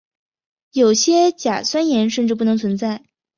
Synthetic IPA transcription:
jo˨˩ʊɕjɛ˥t͡ɕja̰˨˩swa˥njɛ˧˥nʂ̬ə˥˧nʈ͡ʂɻ̩˥˩pu˥˩nɤ˧˥ŋt͡sʰwə˧˥nt͡sa˥˩ɪ

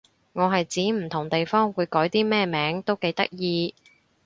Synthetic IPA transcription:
ŋɔː˨˧ɦɐ˨jt͡siː˨˥m̩˨˩t̪ʰʊ˨˩ŋt̪e˨jfɔː˥ŋwuː˨˧jkɔː˨˥jt̪iː˥mɛː˥˧mɛː˨˥ŋt̪o˥wke˨˧jt̪ɐ˥k̚jiː˧

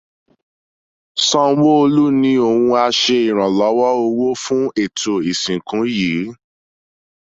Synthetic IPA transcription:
sɔ̃˧˦wo˦o˧lu˦nĩ˧˦o˦˨wũ˧a˧ʃe˧i˨ɾ̃ã˨lɔ˨˦wɔ˦o˧wo˦fũ˦e˨to˨i˨sĩ˨kũ˨˦ji˨˦

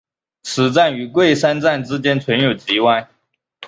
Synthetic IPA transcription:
t͡sʰɹ̩˨˥t͡sa˥˩ny˧˥kwe˥˩ɪʂa˥nt͡sa˥˩nʈ͡ʂɻ̩˥t͡ɕjɛ˥nt͡sʰwə˧˥njo˨˩ʊt͡ɕi˧˥wa˥˩ɪ

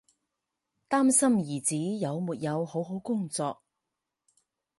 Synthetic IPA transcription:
t̪aː˥msɐ˥mjiː˨˩t͡siː˨˥jɐ˨˧wmuː˨t̚jɐ˨˧who˨˥wɦo˨˥wkʊ˥ŋt͡sɔː˧k̚

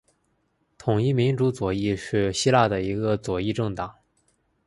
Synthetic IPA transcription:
t̪ʰʊ˨˩ŋi˥˩mi˧˥nʈ͡ʂu˧˥t͡swɔ˨˩i˥˧ʂɻ̩˥˩ɕi˥la˥˩d̪ə˩i˧˥ɡə˧t͡swɔ˨˩i˥˧ʈ͡ʂɤ˥˩ŋt̪ɑ˨˩˦ŋ

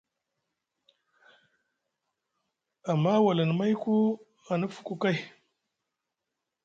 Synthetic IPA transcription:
a˨mːa˦wa˨lə˨n˨ma˦jku˦ | a˨nu˦fu̥˦kʼu˦ka˦j

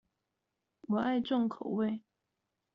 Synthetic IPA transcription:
wɔ˨˩a˥˧ɪʈ͡ʂo˥˩ŋkʰo˨˩˨ʊwe˥˩ɪ

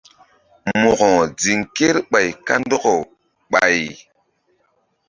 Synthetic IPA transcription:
mo˨kɔ˨d͡zi˨ŋke˦ɾɓa˨jka˦n˦dɔ˦ko˨ | ɓa˨j

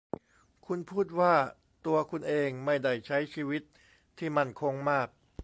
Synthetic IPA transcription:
kʰu˧npʰuː˥˩t̪̚waː˥˩ | t̪u˧ɐkʰu˧nʔeː˧ŋma˥˩jda˥˩jt͡ɕʰa˦˥jt͡ɕʰiː˧wi˦˥t̪̚ʰː | iː˥˩ma˧nkʰo˧˥ŋmaː˥˩k̚

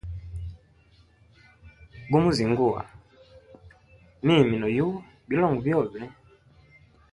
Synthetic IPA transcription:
ɡu˦mu˦zi˨ŋ˦ɡu˦˨a̰˨ | mi˦˨mi˨nɔ˨ju˦ | bi˨˦lɔ˦˨ŋɡu˨vjɔ˦˨βɛ˨˦

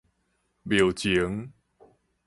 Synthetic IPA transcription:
bjo˨˩wt͡ɕi˨˦ŋ

